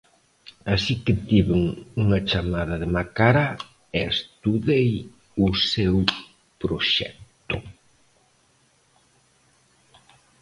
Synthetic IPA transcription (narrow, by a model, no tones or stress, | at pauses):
asikɪt̪iβeŋuŋɐt͡ʃamaðɐðɪmakaɾa | ɛst̪uðej | ʊsew | pɾoʃɛ̰k̚t̪ʊ